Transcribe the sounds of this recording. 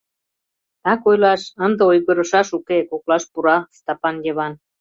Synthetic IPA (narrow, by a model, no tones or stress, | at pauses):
ɑkojlɑʃənd̪ə̆ojɣə̆ɾə̆ʃɑʃukekoklɑʃpuɾɑst̪ɑpɑnjeβɑn